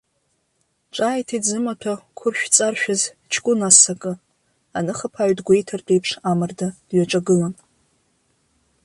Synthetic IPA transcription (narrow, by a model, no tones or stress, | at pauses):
ʈ͡ʂʼaːjtʰizɨmatʰakʷʰʊrʃᶣt͡sʼarʃᶣaz | t͡ʃʰkʷʼʊnasakʼɨ | anɨχapʰaɥdɡʷejtʰɨrtʼejpʰʂamɨrdad̥ɥaʈ͡ʂʼaɡɨlan